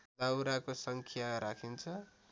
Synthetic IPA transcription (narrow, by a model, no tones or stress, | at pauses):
d͡zawɾakosʌŋkʰjaɾakʰint͡sʰʌ